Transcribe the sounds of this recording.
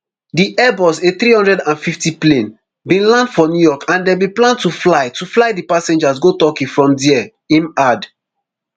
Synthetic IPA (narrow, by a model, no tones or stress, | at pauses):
diʔɛbɔseθɾihɔ̃ndɹɛdãnfiftiplẽn | bĩnlãndfɔnjujɔkʰãndɛbiplãntuflaɪtuflaɪdipasẽnd͡ʒas̬ɡotɔkĩfɹɔ̃mdiɛ | ĩnad